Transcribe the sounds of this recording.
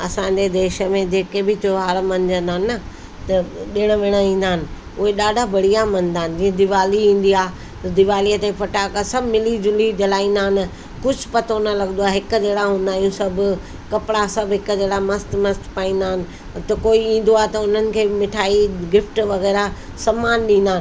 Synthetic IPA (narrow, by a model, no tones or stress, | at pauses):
ɐsãːɲd͡ʑed̪eːʃə̆mẽd͡ʑeːkebɪt̪ʰoɦaːɽmɐnd͡ʑənd̪aːnːə | t̪ɐɗɪɽ̃əʋeːɽ̃aĩːn̆d̪aːɪnɪ̆ | ʊɦeɗaːɖʱabɐɽ̤ijamɐ̃n̆d̪aːɦɪnɪ̆d͡ʑiːẽd̪ɪʋaːliĩːn̆d̪iaː | t̪ɐd̪ɪʋaːlijət̪epɐʈaːkasɐbʱmɪlid͡ʑʊlid͡ʑɐlaːĩːnd̪aːɪn | kʊd͡ʑʱpɐt̪onɐlɐɡənd̪oaːɦɪkd͡ʑeːɽaɦũːn̆d̪aːjũsɐbʱʊ | kɐpɪɽasɐbʱɦɪkd͡ʑeːɽamɐst̪mɐst̪paːĩːn̆d̪aːɦɪnɪ̆ | t̪ɐkoːiĩːnd̪oaːt̪ɐʊn̤ənɪ̆kʰeːmɪʈʰaːiɡɪfʈʋɐɣɛːɾa | sɐmaːnɗĩːnd̪aːn